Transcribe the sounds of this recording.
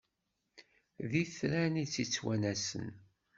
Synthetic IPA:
ðiθɾænit͡sːit͡sːwænæsə̰n

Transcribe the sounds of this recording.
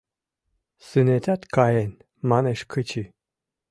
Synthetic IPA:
sɨnɛt̪ʰat̪kʰajɛn | manɛʃkʰət͡ʃʰi

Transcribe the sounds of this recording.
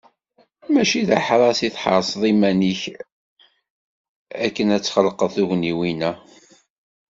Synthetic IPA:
mæʃiðaħɾˤɑsiθħɑ̰ɾˤsˤðˤimæniç | ækːənæt͡sːχəlqəθuʝniwinæ

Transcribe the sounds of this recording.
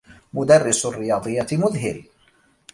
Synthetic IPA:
mʊd̪ɑrːɪsʊrːɪjɑːd̪ˤɨjːamʊðɦɪ̰ɾ

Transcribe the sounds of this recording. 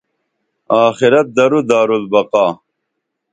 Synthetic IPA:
aːxiɾɐt̪̚d̪ɐɾud̪aːɾulbɐqaː

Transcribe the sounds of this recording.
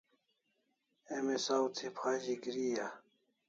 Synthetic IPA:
emesawt̪ʰipʰaːʑiɡɾija

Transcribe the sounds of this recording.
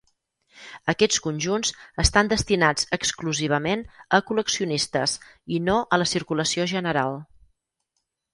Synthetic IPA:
əkɛt͡skunʲʒunzəst̪and̪əst̪inad͡zəkskluziβ̞əmenəkuləksiunist̪əzinoʔələsiɾkuləsioʒənəɾalˠ

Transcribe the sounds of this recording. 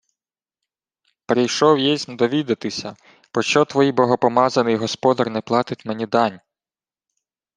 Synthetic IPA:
peɾɪjʃɔwjɛsʲnɐd̪ɔʋʲid̪ɐt̪ɪsʲɐ | pɾɔt͡ʃɔt̪ʋɔjibɔɦɔpɔmɑzɐnɪjɦɔspɔd̪ɐrnɛplˠɑt̪ɪtʲmenʲid̪ɑnʲ

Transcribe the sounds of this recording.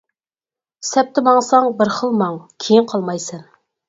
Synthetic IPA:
sɛp̚t̪ʰɪmɑŋsɑŋbɪɾχəlˠmɑŋkʲʰejinqʰɑlˠmɑjsɨn

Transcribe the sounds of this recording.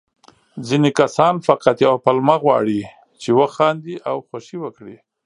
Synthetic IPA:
zinekasɑnfaqat̪jawpalmaɣwɑ̰ɽi | t͡ʃewəxɑnd̪iʔawxaʃiwəkɽi

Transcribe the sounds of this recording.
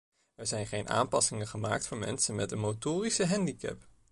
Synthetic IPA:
ɛɹzɛjnχejnʔa̰ːmpɑsɪŋəχəmaːk̚tfʊːɹmɛ̰nsənmɛtənmotʊːrisəɦɛndikɛ̰p

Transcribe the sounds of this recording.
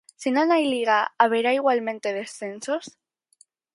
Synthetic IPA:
sinonajliɣaaβ̞eɾaiɣwalmẽ̞nt̪e̞ðe̞sθe̞nsos

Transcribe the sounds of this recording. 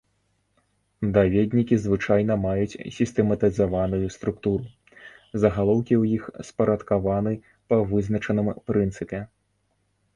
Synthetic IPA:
d̪avʲɛd̪ʲnʲikʲizvɨt͡ʂajnɐmajut͡sʲsʲist̪ɛmɐt̪ɨzavanujust̪ɾuk̚t̪uɾu | zɐɣalˠɔwkʲiwjixspɐɾɐt̪kavanɨ | pɐvɨznɐt͡ʂɐnɨmpɾɨnt̪sɨpʲɛ

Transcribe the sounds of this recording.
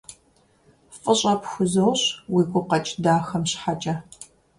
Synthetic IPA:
fʼɨɕʼɐpxʷʊzowɕwiːɡʷʊqɐt͡ʃʼdaːxɐmɕħat͡ʃʼɐ

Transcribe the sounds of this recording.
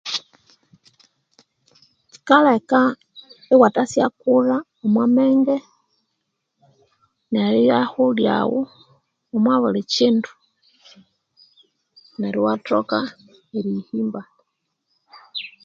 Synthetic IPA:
ci̥kaleka | iwatasjakuɾa | omwameŋɡe | neɾijahulja̰wu | omwaβulicintu̥ | neɾiwatoka | eɾihiːmba

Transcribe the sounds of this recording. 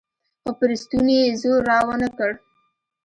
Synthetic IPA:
xapɾist̪unjezoɾːɑwanakəɽ

